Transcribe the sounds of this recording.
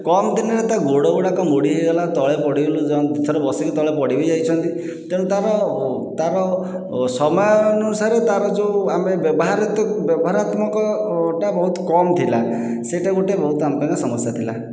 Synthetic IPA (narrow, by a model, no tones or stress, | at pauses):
kɔmt̪inaɾet̪aɡoɽɔɡuɽakɔmoɽiɦeɡalat̪ɔɭepɔɽibelud͡ʒɔit̪ʰɔɾɔbɔsikit̪ɔɭepɔɽibɔd͡ʒajt͡ʃʰɔnt̪i | t̪eɽ̃ũt̪aɾɔ | t̪aɾɔ | sɔmɔjɔnɔnusaɾet̪aɾɔd͡ʒeamebjɔbɔɦaɾɔt̪ɔbjɔbɔɦaɾat̪mɔkɔʈabɔɦut̪ɔ̥kɔmt̪ʰila | seʈaɡoʈebɔɦut̪ɔampaŋkɔsɔmɔsjat̪ʰila̰